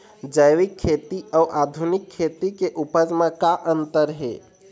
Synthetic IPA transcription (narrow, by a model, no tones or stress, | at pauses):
d͡ʒəjʋikʰːet̪iəuʔad̪ʱunikʰːet̪ikeʔupəd͡ʒmãkaʔənt̪əɾɦḛ